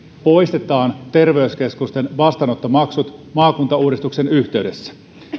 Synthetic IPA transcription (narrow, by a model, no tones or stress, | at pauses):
po̞jst̪et̪ɑːnt̪e̞rʋe̞yske̞skust̪enʋɑst̪ɑnot̪ːomɑksut̪mɑːkunt̪ɑuːɾist̪uksenyçt̪e̞yde̞sːæ̥